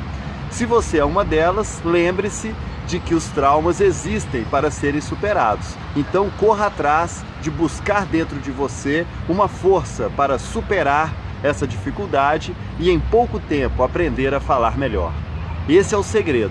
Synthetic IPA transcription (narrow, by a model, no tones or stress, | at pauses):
sɪvoseɛũmɐd̪ɛlɐslẽbɾɪsɪ | d͡ʒɪkɪʊst̪ɾawmɐzezist̪ẽj̃paɾɐseɾẽj̃supeɾad̪ʊs | ẽnt̪ɐ̃w̃koɦɐat̪ɾaz | d͡ʒɪbuskaɾd̪ẽnt̪ɾʊd͡ʒɪvoseũmɐfoɾsɐpaɾɐsupeɾaɾ | ɛsɐd͡ʒifikuwd̪ad͡ʒɪ | ɪẽj̃powkʊt̪ẽpʊapɾẽnd̪eɾɐfalaɾmeʎɔ̰ɾ | esɪɛʊseɡɾed̪ʊ